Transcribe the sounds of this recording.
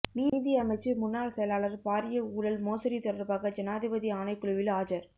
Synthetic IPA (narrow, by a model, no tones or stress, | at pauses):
miːnd̪ijɐmɐɪt͡ʃːɯmʊnːaːɭsɛjɐlaːlɐɾpaːɾɪjɐuːɽɐlmoːsɐɾit̪ɔɽɐɾbaːɣɐd͡ʒɛnaːðɪbɐðiaːnɐɪkːʊɭʊʋɪlaːd͡ʒɐɾ